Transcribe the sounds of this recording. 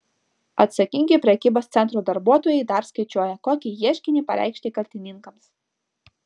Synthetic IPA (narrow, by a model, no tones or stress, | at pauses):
ɐ̰t̪sɐkʲɪŋʲɡʲepʲɾʲɛkʲiːboːst̪sʲɛnt̪ɾuːd̪ɐɾbuɔt̪oːjɛɪd̪ɐɾskɐɪt͡ʃʲuːjɛkoːkʲiːjiɛʃʲkʲɪnʲiːˑpɐɾʲʔæ̰ɪkʃʲt̪ʲeːkɐlʲt̪ʲɪnʲɪŋkɐms